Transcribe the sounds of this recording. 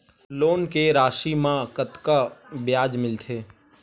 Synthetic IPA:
loːnkeɾaːʃimãkət̪kabjaːd͡ʒmɪlt̪ʰeː

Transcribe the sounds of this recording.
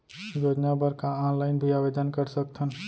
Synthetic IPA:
joːd͡ʒnabəɾkaɔːnlaːɪnbʱiaːbed̪ʱənkəɾsək̚t̪ʰən

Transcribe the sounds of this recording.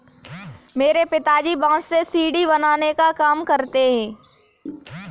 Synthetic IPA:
meːɾepɪt̪aːd͡ʒibãːssesiːɖibɐnaːnekakaːmkɐɾt̪eɦɛ̃ː

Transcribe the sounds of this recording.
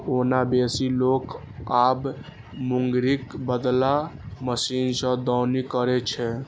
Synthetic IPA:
onabesilok | ab | muŋɡɾikbəd̪laməsinsə̃d̪ɔʊnikəɾɛt͡ʃʰɛ

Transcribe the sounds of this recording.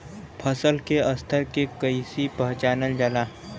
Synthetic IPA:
pʰəsəlkeɐst̪ʰəɾkekəisipɐɦt͡ʃaːnəld͡ʒəla

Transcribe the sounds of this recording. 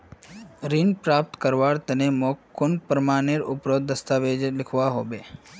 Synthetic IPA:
ɾinpɾaːp̚t̪kəɾʋaːɾt̪ɐnemoːkkːʊnpɾəmaːneɾʊpɾoːd̪̚ːɐst̪aːʋeːd͡ʒlɪkʰʋaɦoːbeː

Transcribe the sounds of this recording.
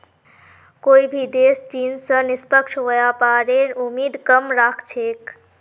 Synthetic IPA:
koːibʱid̪eːst͡ʃinsə̃nispəkʃʰʋojapaɾenumiːd̪kəmɾakʰt͡ʃʰeːk

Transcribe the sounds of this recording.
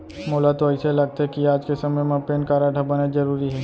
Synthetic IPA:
moːlat̪oəɪselɐɡ̚t̪eɦɛkiaːd͡ʒkesɐməjmẽpeːnkaːɾaʈʰəbəned͡ʒəɾuːɾiɦɛː

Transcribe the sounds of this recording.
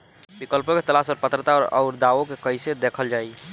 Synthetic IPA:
bikəlpoket̪əlasɔːɾpət̪ɾət̪aɔːɾə̰ʊɾd̪aʋokekəjsed̪ekʰəld͡ʒai

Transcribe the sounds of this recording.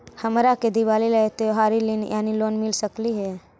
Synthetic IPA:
həmɾaked̪iʋaːliləet̪oɦaːɾilinjʔaːniloːnmɪlsəkliɦɛː

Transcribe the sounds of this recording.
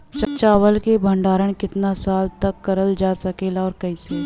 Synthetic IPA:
t͡ʃt͡ʃaːʋəlkebʱə̃ɳɖaːɾəɳkɪt̪nasaːlt̪ɐkːɐɾəld͡ʒaːsɐkeːlaɔːɾkɐiːse

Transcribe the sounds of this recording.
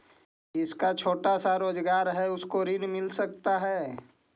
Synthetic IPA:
ɪskat͡ʃʰoːʈasaɾoːd͡ʒɡaːɾɦɛʊskoɾɪnmɪlsɐk̚t̪aɦɛː

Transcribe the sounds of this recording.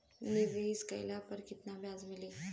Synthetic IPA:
niʋeiskə̰jlapəɾkit̪nabjad͡zmili

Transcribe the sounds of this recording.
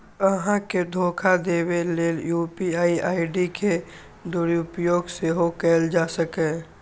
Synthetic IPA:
əɦãked̪ʱoːkʰad̪eːweleːljuːpiaːiʔaːɪɖikʰe | d̪ʊɾʊpjoːɡseɦokɛːld͡ʒaːsəkẽ

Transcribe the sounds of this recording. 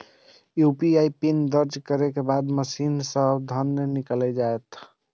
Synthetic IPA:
jupiaipind̪əɾd͡ʒkəɾekebad̪məsinsəbd̪ʱənjəniklɛd͡ʒaet̪

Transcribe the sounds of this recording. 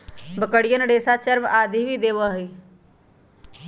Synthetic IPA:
bəkəɽijənɖeːsat͡ʃəɾmaːd̪ʱibid̪eːʋəːɦiː

